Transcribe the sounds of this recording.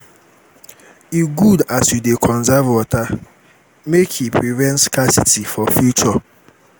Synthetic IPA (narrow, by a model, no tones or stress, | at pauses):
iɡudasjudekʰɔ̃nzavwɔta | mekʰipʰɾivɛ̃ntskasitifɔfjut͡ʃɔ